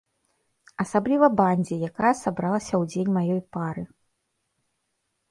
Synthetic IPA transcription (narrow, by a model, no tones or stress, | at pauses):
ɐsablʲivɐbanʲd͡zʲijakajɐsabɾalˠɐsʲɐwd͡zʲenʲmajɔjpaɾɨ